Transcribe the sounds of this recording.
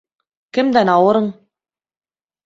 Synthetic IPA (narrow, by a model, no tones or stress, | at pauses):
kɘmd̪ænɑwɤ̆ɾɤɴ